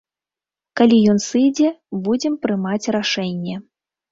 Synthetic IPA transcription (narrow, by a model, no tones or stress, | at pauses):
kalʲijɔnsɨjd͡zʲɛbud͡zʲɛmpɾɨmat͡sʲraʂɛnʲːɛ